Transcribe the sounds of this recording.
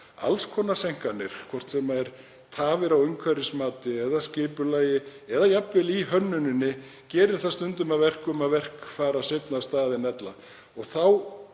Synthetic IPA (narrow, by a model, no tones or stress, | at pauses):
a̰lskʰɔːnasejŋ̥kanɪɾ̥kʰvɔr̥t̪sɛmaɛɾ | t̪ʰaːvɪɾawʏɥŋkʰvɛɾɪsmaːt̪ɪɛðascɪːpʏlaːjɪɛðajapvɪliɦœnːʏnɪnːɪ | cɛːɾɪɾ̥θast̪ʏnt̪ʏmaðvɛr̥kʏmaðvɛr̥kfaːɾaset̪nast̪aːðɪnɛt̪la | ɔɣθaw